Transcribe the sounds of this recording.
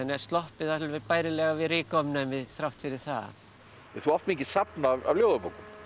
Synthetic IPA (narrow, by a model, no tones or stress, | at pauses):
anɛ̥st̪lɔhpɪðalvɛpajɾɪlɛɣavɪɾɪkɔmnamɪðθɾawht̪ʰɪɾɪθa | ɛθuɔft̪micɪsapnaːa̰vljoːwðʏpowkʏm